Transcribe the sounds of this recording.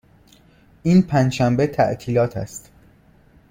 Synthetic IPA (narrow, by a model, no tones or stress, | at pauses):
ʔiːnpʰænd͡ʒʃæmbet̪ʰæ̰ʔt̪ʰiːlɒːt̪ʰæ̰st̪